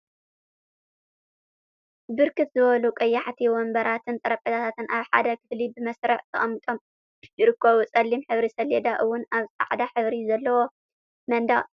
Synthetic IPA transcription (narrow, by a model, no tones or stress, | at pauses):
bɨɾkʰɨt̪zɨβɐlukʼɐjːaħt̪ʰiwɔmbɐɾat̪ʰɨnt̪ʼɐɾɐpʼɐt̪ʰat̪ʰat̪ɨnʔaβħa̰d̪ɐkʰɨflibɨmɐsɾɐħt̪ʰɐχʼɐmːɨt̪ʼo̞m | jɪɾɨkʰːɐβut͡sʼɐlːimħɨβɾisɐlɛd̪aʔɨwːʊnaβt͡sʼa̰ʕd̪aħɨβɾizɐlːɐwo | mɐnd̪a